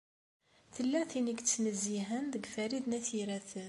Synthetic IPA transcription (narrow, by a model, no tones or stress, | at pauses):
θəlːæθinəɡt͡sːnəzːiɦənðəɡfæɾiðnæθiɾæθən